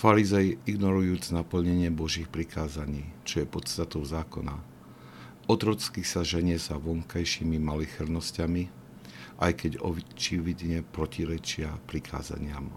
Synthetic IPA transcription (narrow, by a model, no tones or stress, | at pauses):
faɾizɛjiiɡnɔɾujuːd͡znapl̩ɲɛɲɪɛbɔʒiːxpɾikaːzaɲiːt͡ʃɔjɛpɔt̪st̪at̪ɔʊzaːkɔna̰ | ʔɔt̪ɾɔt͡skisaʒɛɲɪɛzaʋɔŋkajʃimimalixɛɾnɔscami | ʔajkɛɟɔ̰t͡ʃiʋid̪ɲɛpɾɔciɾɛt͡ʃɪapɾikʰa̰ːza̰ɲɪam